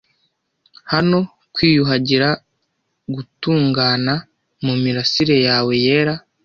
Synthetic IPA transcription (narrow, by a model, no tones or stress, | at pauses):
hano̞ | kwiːjuɦaɟiɾa | ɡutuːŋɡaːna | mumiɾasiɾe̞jaːwe̞je̞ːɾa